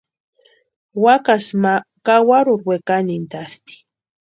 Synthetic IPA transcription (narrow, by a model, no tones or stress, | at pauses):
wakasmakawaɾʊɾwekanint̪ast̪i̥